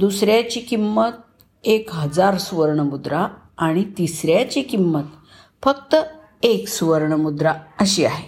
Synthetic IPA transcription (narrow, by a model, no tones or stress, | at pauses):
d̪usɾjat͡ɕiːkimːət̪̚ | ekɦəd͡zaɾsʋəɾɳəmud̪ɾaː | ɽ̃it̪isɾjat͡ɕikimːət̪ | fəkt̪ə | eksʋəɾɳəmud̪ɾaəɕiːaɦe